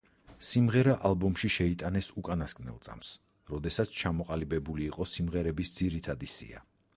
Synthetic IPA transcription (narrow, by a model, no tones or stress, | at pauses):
simʁɛɾaʔalbɔmʃiʃɛit̪ʼanɛsukʼanaskʼnɛ̰lˠt̪sʼa̰ms | ɾɔd̪ɛsat̪sʰt͡ʃʰamɔqʼalibɛbuliːqʼɔsimʁɛɾɛbisd̪z̥iɾit̪ʰad̪isḭa̰